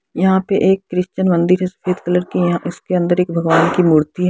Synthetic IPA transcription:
jɐɦãpeʔeːkːɾɪʃt͡ʃənmɐ̃nd̪ɪɾɦɛsɐ̥feːd̪kɐləɾkijɐɦãʔɪskeɐ̃nd̪əɾeːkbʱɐɡʋaːnkimuːɾt̪iɦɛ

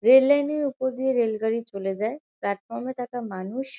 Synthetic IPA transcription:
ɾelːajneɾupoɾd̪ijeɾelɡəɾit͡ɕoled͡ʑaeplɛʈ̚fɔɾmet̪ak̪amanuʃ

